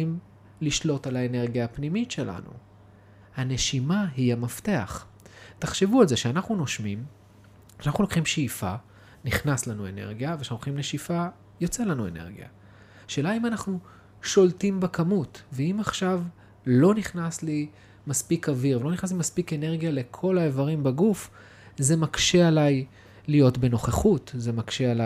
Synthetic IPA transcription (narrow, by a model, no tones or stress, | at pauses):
im | liʃlo̞talaene̞ʁɡjaːpnimitʃela̰nṵ | hane̞ʃimaɦiamafte̞a̰χ | taχʃevualze̞ʃeanaχnuno̞ʃmim | anaχnulokχimʃeifa | niχnaslanue̞̰ne̞̰ʁɡjaveauoχimleʃifa | jo̞t͡selanuene̞̰ʁɡija̰ | ʃe̞ːlaimanaχnu | ʃo̞ltimbakamutveimaχʃav | lo̞niχnasli | maspikaviʁvelo̞niχnas̬limaspike̞ne̞ʁɡjale̞kʰo̞laevaʁimbeɡuf | ze̞makʃe̞alaj | lijo̞tbe̞no̞χeχutze̞makʃeala